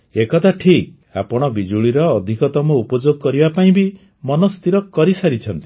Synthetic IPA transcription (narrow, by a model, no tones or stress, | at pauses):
ekɔt̪ʰaʈʰik̚ | apɔɽ̃ɔbid͡ʒuɭiɾɔːd̪ʱikɔt̪ɔmɔupɔd͡ʒoɡkɔɾibapaĩbi | mɔnɔst̪iɾɔkɔɾisaɾit͡ʃʰɔnt̪i̥